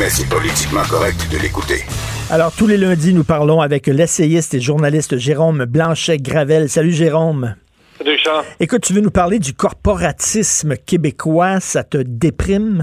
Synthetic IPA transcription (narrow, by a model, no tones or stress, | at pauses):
ɛsɛpɔlit̪i̥kmɑ̃kɔʁɛk̚t̪d̪əlekut̪ḛa̰lɔːʁt̪ulelɛ̃dd͡zinupaʁlɔ̃avɛklɛseɪst̪eʒuʁnalɪst̪ʒeʁomblɑ̃ʃɛɡʁavɛlsalyʒeʁom | salyʃɑ̃ekʊt̪̚t̪yvønupaʁled̪ykʰɔʁpɔʁat͡sɪsməkʲebekʰwasat̪əd̪epʁɪm